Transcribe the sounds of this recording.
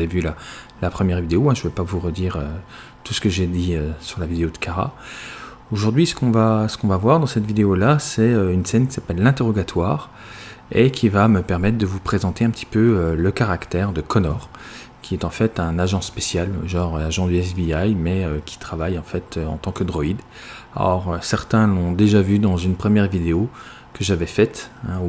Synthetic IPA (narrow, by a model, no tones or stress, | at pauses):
aevyla | lapχəmjɛʁvid̪eoɛ̃ʒəvɛpavuʁəd̪iʁø | t̪usə̥kəʒed̪iøsyʁlavid̪eod̪əkaʁa̰ | oʒuʁd̪ɥisə̥kɔ̃vasə̥kɔ̃vavwaʁd̪ɑ̃sɛt̪vid̪eolasɛøynsɛnkʲi̥sapɛlːɛ̃t̪eʁɔɡat̪ʰwaːʁ | ekʲʰivaməpɛʁmɛt̪χd̪əvupχezɑ̃t̪eɛ̃pət̪ʰi̥pøøləkaʁakt̪ɛʁd̪əkɔnɔʁ | kʲʰiɛt̪ɑ̃fɛt̪ɛ̃naʒɑ̃spesjalʒɑ̃ʁaʒɑ̃d̪yɛsbiajmɛøkʲʰi̥t̪χavajɑ̃fɛt̪ʰøɑ̰̃t̪ɑ̃kɑd̪ʁɔid̪ | a̰ɔʁøsɛʁt̪ɛ̃lɔ̃d̪eʒavyd̪ɑ̃zynpχəmjɛʁvid̪eo | kəʒavɛfɛt̪ɛ̃u